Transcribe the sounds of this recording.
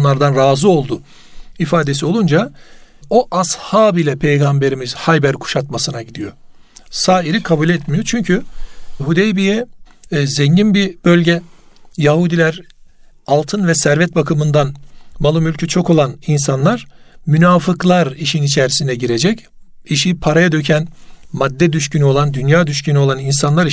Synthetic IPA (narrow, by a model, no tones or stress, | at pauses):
nlˠaɾd̪anɾaːzɯo̞lˠd̪ʊ | ifaːd̪e̞sio̞lˠund͡ʒa | oʔashaːbilʲɛpʰejɡambe̞ɾimizhajbæɾkʰu̥ʃat̪masɯnaɟid̪ijo̞ | saːiɾikʰabulʲɛt̪mijo̞t͡ʃʰyɲcʰyɦud̪ejbijɛ | zɛɲɟinbibølʲɟɛ | jaɦud̪ilʲæɾ | alˠt̪ʰɯnvɛsæɾvɛt̪̚bakʰɯmɯnd̪anmalˠumylʲcʰyt͡ʃʰo̞ko̞lˠaninsanlˠaɾ̥mynaːfɯklˠaɾiʃinit͡ʃʰɛɾisind̪ɛɟiɾe̞d͡ʒɛc | iʃipʰaɾajad̪ø̞cʰænmad̪ːɛd̪yʃcynyo̞lˠand̪ynjaːd̪yʃcynyo̞lˠaninsanlˠaɾ